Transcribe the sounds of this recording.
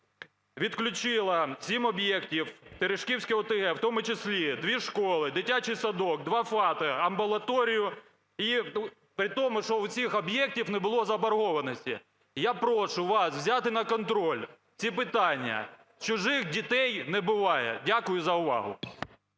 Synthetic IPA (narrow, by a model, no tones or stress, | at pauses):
ʋʲit̪klʲʊt͡ʃɪlˠɐsʲimɔbjɛktʲiwt̪eɾɪʃkʲiwsʲkʲɪɔt̪eɦɛwt̪ɔmʊt͡ʃɪsʲlʲid̪ʋʲiʃkɔlˠɪd̪ɪtʲːat͡ʃɪjsɐd̪ɔk̚d̪ʋɑfɑt̪ɐɐmbʊlˠɐt̪ɔɾʲijʊ | i | pɾɪt̪ɔmʊʃɔwt͡sʲixɔbjɛk̚tʲiwnɛbʊlˠɔzɐbɐrɦɔʋɐnɔsʲtʲḭ | japɾɔʃʊʋɑswzʲat̪ɪnɐkɔnt̪ɾɔlʲ | t͡sʲipɪt̪ɑnʲːɐ̰ | t͡ʃʊʒɪxdʲit̪ɛjnɛbʊʋɑjɛ̰dʲakʊjʊzɐʊʋɑ̰ɦʊ̰